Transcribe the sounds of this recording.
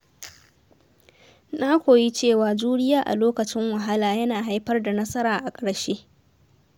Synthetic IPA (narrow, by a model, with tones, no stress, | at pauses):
naː˦kʷoː˨ji˦t͡ʃeː˦˨waː˨d͡ʒuː˦ɽɪ˦jaː˦ʔa̰˨loː˦kɐ˨t͡ʃɪ˦ŋwɐ˨ɦa˦laː˨jɐ˦naː˨ɦa˦jɸɐ˦rda˨nɐ˦sɐ˦ɾaː˨ʔa˨kʼɐ˨ɽʃeː˦ʔ